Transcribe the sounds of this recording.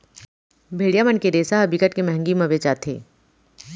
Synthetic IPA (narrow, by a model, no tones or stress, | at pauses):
bʱeːɽijamənkeɾeːsaɦɐbikəʈkemɛɦə̃ŋɡimə̃ʋeːt͡ʃaːt̪ʰḛː